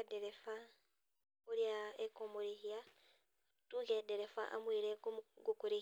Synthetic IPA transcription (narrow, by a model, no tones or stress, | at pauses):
deɾefa | uɾjaekomuɾihia | tuːŋɡeadeɾefa̰ʔa̰mwiːɾeɡukuɾi